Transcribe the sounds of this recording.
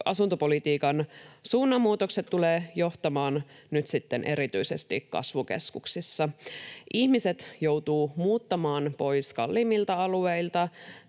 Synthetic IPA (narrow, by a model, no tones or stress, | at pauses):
ʔɑsunt̪opo̞lit̪iːkɑnsuːnːɑmːuːt̪o̞kset̪t̪ːuleːjo̞ht̪ɑmɑːn | nyt̪sit̪ːenʔe̞ɾit̪yisest̪ḭkkɑ̰sʋukḛskuksisːɑʔiçmiset̪jo̞wt̪uːmuːt̪ːɑmɑːnpo̞jskɑ̰lːiːmilt̪ɑɑlue̞jlt̪ɑ